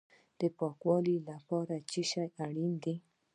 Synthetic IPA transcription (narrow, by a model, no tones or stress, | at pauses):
d̥epakwɔlilapaɾat͡ʃiʃaaɾind̪i